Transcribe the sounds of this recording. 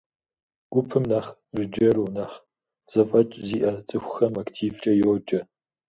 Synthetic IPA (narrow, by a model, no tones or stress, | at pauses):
ɡ̥ʷʊpʰɨmnaːχʒɪd͡ʒɐɾuːnaːχ | z̥ɐfʼɐt͡ʃʼziːʔɐt͡sʼɨxʷʊxɐmaktʰiːvt͡ʃʼɐjɛwd͡ʒʼɐ